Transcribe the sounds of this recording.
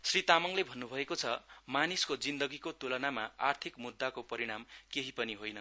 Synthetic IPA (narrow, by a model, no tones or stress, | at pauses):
srit̪amʌŋlebʱʌnːubʱʌekot͡sʰʌmaniskod͡zind̪ʌɡikot̪ulʌnamaart̪ʰikmud̪ːakopʌɾiɽ̃amkeɦipʌniɦojnʌ